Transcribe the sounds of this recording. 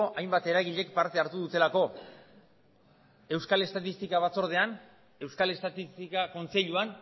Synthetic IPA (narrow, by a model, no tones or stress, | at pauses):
oʔajmbat̪e̞ɾaɣiʎe̞kpaɾt̪e̞aɾt̪uðut̪e̞lako̞ | e̞wskale̞st̪at̪ist̪ikaβ̞at͡so̞ɾð̞e̞an | e̞wskale̞st̪at̪ist̪ikako̞nt͡se̞ʎuan